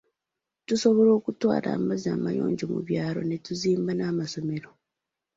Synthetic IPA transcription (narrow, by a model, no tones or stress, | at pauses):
tuso̞βo̞ɾo̞ːkutwa̰ːla̰ːmazaːmajo̞̰ːɲɟomṵβjaːɾo̞̰ne̞tuziːmbanaːmaso̞me̞ɾo̞